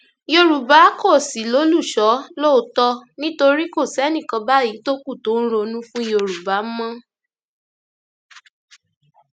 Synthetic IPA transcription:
jo˧ɾu˨ba˨˦kɔ˦˨si˨˦lo˨˦lu˦˨ʃɔ˨˦lo˦˨˦tɔ˧nĩ˦to˧ɾi˦ko˦˨sɛ˨˦nĩ˦˨kɔ̃˧ba˦ji˨˦to˦ku˦˨to˨˦n̩˦ɾo˧nũ˦fũ˦i˦o˧ɾu˨ba˨˦mã˦

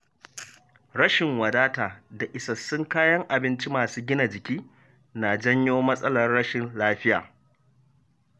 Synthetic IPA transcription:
ɽɐ˦ʃɪ˨ŋwɐ˨daː˦taː˨da˨ʔɪ˨sɐ˨sːʊ˦ŋkaː˦jɐ˦ŋʔa˨bɪ˦nt͡ʃi˦maː˨suː˦ɡʲɪ˦na˨d͡ʒɪ˨kʲiː˦ | na˨d͡ʒɐ˦ɲjoː˦mɐ˦sʼɐ˦lɐ˨rːɐ˦ʃɪ˨nlaː˦ɸɪ˦ja̰ː˨

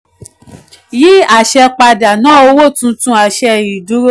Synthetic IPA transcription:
ji˦a˨ʃɛ˧k͡pa˧da˨nã˨˦˨o˧wo˦˨tũ˧˦tũ˧˦a˨ʃɛ˧i˨du˨˦ɾo˦

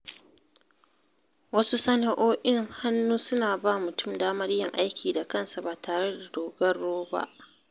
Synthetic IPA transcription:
wɐ˦su˦sɐ˦na˨ʔoː˦ʔɪ˦ŋha˦nːuː˦sʊ˦naː˨ba˦˨mʊ˨tʊ˦˨mdaː˦mɐ˦rjɪ˨ŋʔa˦jkʲʰiː˨da˨kɐ˦nsa˨baː˨tʰaː˨ɽe˦da˨doː˨ɡɐ˦rːoː˦ba̰˦ʔ

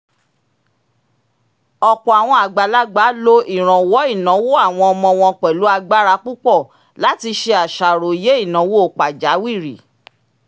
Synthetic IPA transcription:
ɔ˨k͡pɔ˨a˨w̃ɔ̃˧a˨ɡ͡ba˨la˦ɡ͡ba˨˦lo˧i˨ɾ̃ã˨wɔ˨˦i˦˨nã˨˦wo˦a˦˨w̃ɔ̃˧ɔ˧mɔ̃˧w̃ɔ̃˧k͡pɛ˨lu˨˦a˧ɡ͡ba˦ɾa˧k͡pu˦k͡pɔ˦˨ | la˨˦ti˧ʃe˧a˨ʃa˨ɾo˨je˨˦i˦˨nã˨˦wo˦o˨k͡pa˨d͡ʒa˨˦wi˦˨ɾi˨

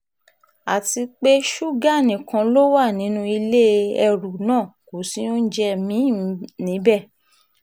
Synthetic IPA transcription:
a˨ti˧k͡pe˦ʃu˦ɡa˦˨nĩ˨kã˧lo˦wa˦˨nĩ˨˦nũ˦i˧le˦˧ɛ˧ɾu˨nãː˦˨ko˨si˦o˦n̩˦d͡ʒɛ˧mĩ˨˦nĩ˨˦bɛ˦˨

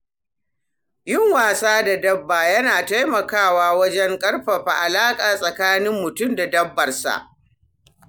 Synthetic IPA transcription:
jʊ˦˨ŋwaː˨saː˦da˨dɐ˦bːaː˨jɐ˦naː˨ta˦jmɐ˨kaː˦˨waː˦wɐ˦d͡ʒɛ˦ŋkʼɐ˦rɸɐ˨ɸa̰˨ʔa˨laː˦kʼaː˨sʼɐ˨kaː˦nɪ˦mːʊ˨tʊ˦˨mda˨dɐ˦bːɐ˨rsa̰˨ʔ

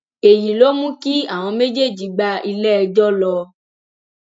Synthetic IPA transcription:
e˨jĩ˨lo˦mũ˦ki˦a˦˨w̃ɔ̃˧me˦d͡ʒe˦˨d͡ʒi˨˦ɡ͡ba˧i˧lɛ˦ɛ˧d͡ʒɔ˦lɔ˧

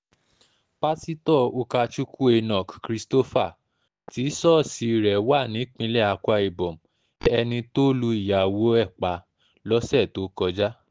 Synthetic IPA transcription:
ba˦si˦tɔ˦˨o˧ka˧t͡ʃu˦kʰu˦e˧nɔ̃˨kkɾi˧sto˦fa˦˨ | ti˨˦sɔ˦˨si˧˦˨ɾɛ˨wa˦˨nĩ˨˦k͡pĩ˧˦lɛ˦˨a˧kʷa˧i˨bɔ̃˨m̩˨ | ɛ˧nĩ˧to˦lu˧i˦˨ja˨wo˨˦ɛ˦˨k͡pa˨˦ | lɔ˦sɛ˦˨to˨˦kɔ˧d͡ʒa˦

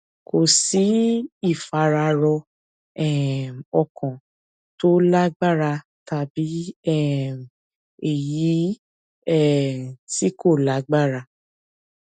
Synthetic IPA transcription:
kʰo˨si˨˦i˦˨fa˧ɾa˧ɾɔ˧ | ɛ˦˨mɔ˧kʰɔ̃˨ | to˦la˦ɡ͡ba˦ɾa˧ | ta˧bi˨˦ɛ˦˨m | e˨ji˨˦ | ɛ˦˨ti˦ko˦˨la˨˦ɡ͡ba˦˨ɾa˧

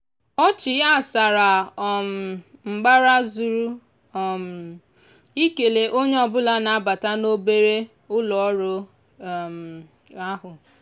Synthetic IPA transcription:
ɔ˦t͡ʃɪ˨˦a˦˨sa˨ɾa˨m̩˨ŋ͡m̩˨ɡ͡ba˦ɾa˦zu˨ɾu˦˨ | m̩˨ | i˦ke˨le˨ʔo˦ɲe˦ɔ˦bʊ˦la˦na˨a˦ba˨ta˦no˦be˦ɾe˦ | ʊ˦lɔ˨ɔ˦ɾo˨ | m̩˨ | a˦ɦʊ˨

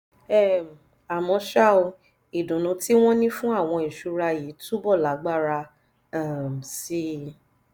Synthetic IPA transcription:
ɛ˦˨m˨ | a˨mɔ̃˧ʃa˦˨o˧ | i˨dũ˨nũ˨˧˦ti˦w̃ɔ̃˦nĩ˦fũ˦a˦˨w̃ɔ̃˧i˨ʃu˨˧ɾa˧ji˨˦tu˦bɔ˦˨la˨˦ɡ͡ba˦˨ɾa˧ | a˦˨m˨si˦

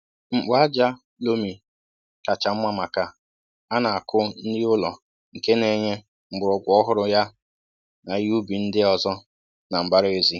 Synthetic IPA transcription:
ŋ͡m̩˨k͡pʊ˦a˦d͡ʒa˦ | lo˦mi˨ | ka˨t͡ʃa˨m̩˦mʷa˦ma˨ka˨ | a˦na˨a˨kʰʊ˦n̩˦di˦ʊ˦lɔ˨ | ŋ̩˨ke˦ne˨ɲe˦ | ŋ͡m̩˨ɡ͡bʊ˨ɾɔ˨ɡʷɔ˦ɦʊ˦ɾʊ˦ja˦ | na˨ju˦bi˨n̩˦dɪ˦ɔ˨zɔ˦ | na˨m̩˨ba˦ɾe˦zi˦

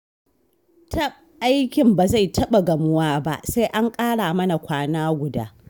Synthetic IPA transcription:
tɐ˦p̚ | ʔa˦jkʲɪ˨mbaː˨za˦˨jtʰɐ˦ɓa˨ɡɐ˨mʊ˦waː˦ba̰˦ʔsa˦jʔa˦ŋkʼaː˦ɽaː˨mɐ˦na˨kʷaː˦naː˦ɡʷʊ˨da̰ː˦

